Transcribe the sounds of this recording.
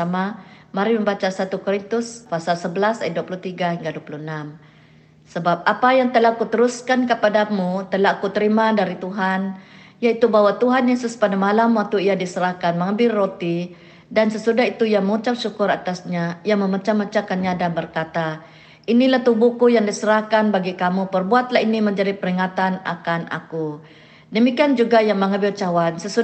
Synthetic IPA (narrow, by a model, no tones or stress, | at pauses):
ama | maɾiməmbat͡ʃasat̪ukoɾint̪ʊspasalsəbəlasajt̪̚duapuluht̪iɡahiŋɡaduapulunam | səbap̚apajaŋt̪əlakut̪əɾuskankəpadamut̪əlakut̪əɾimadaɾit̪uɦan | jait̪ubawat̪uɦanjasəspadamalamwak̚t̪uijadisəɾahkanməŋəbɪrːot̪i | dansəsudaɦit̪ujaŋməŋut͡ʃap̚sukʊɾat̪asɲajaŋməmət͡ʃamːət͡ʃakanɲadanbərkat̪a | ʔinilaht̪ubukujaŋdisəɾahkanbaɡikamupərbuat̪laɦiniməɲd͡ʒadipəɾiŋat̪ana̰kana̰ku | dəmikiand͡ʒuɡajaŋməŋəbɪrt͡ʃawansəsu